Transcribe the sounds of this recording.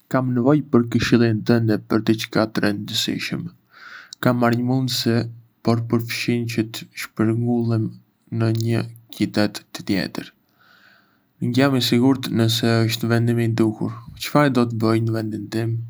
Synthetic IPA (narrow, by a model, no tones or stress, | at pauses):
kamnəvɔjpəɾkəʃilˠint̪ənd̪ɛpəɾt̪ɛt͡ʃə̥kat̪ɾɛnd̪əsḭʃə̰m | kamːaɾɲəmund̪si | pɔɾpəɾfʃint͡ɕət̪əʃpəɾŋɡulˠim | nəɲəcit̪ɛt̪ːə̥t̪jɛ̰t̪əɾ | əŋɟamisiɡuɾt̪nəsɛəʃt̪vɛnd̪imid̪ukṵɾt͡ʃə̥faɾd̪ɔt̪̬əbəjnəvɛnd̪int̪im